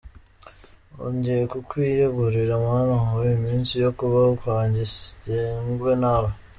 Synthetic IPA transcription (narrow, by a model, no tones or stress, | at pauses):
o̰ɲɟejekukwiːjoɡuɾiɾamaanahawmiːnsijokuβaukwaːɲɟisɟeːŋɡwenaɾo